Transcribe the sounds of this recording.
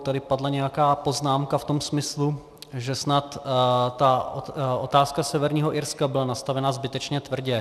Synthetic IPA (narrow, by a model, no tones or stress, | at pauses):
t̪adɪpadlɛɲɛjakaːpo̞znaːmkaft̪o̞msmɪslu | ʒɛsnat̪t̪aoʔot̪aːskasɛvɛɾɲiːɦoʔɪɾskabɪlanast̪avɛnazbɪt̪ɛt͡ʃɲɛt̪vr̩ɟɛ